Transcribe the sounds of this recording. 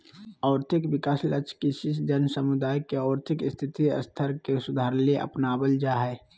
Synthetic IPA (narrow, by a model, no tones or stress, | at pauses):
ɔːɾt̪ʰɪkwɪkaːslət͡ʃʰkiʃɪsd͡ʒənsəmʊd̪aːjkeɔːɾt̪ʰɪkɪst̪ʰɪt̪iə̰st̪ʰəɾkesʊd̪ʱaːɾleʔə̰pnaːbəld͡ʒaɦɛː